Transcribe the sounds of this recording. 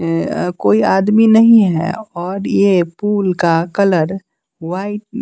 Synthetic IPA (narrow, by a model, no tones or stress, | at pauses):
koːiaːd̪minɐɦĩɦɛ̰ɔːɾjepuːlkakələɾ | waːɪʈ̚